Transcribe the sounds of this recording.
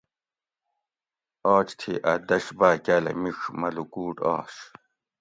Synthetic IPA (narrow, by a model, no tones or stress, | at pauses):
ɔːt͡ɕt̪ʰḭʔɐd̪ɐɕbaːkaːlɐ̰miʂmɐlukuːʈɑ̰ːɕ